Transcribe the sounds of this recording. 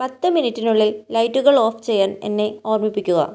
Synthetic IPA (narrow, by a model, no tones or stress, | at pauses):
pɐt̪ːɨminitːinuɭːillɐjtːuɣɐɭo̞ːft͡ɕe̞jːaːne̞̰nːe̞oːrmipːikʲːuɣɐ̰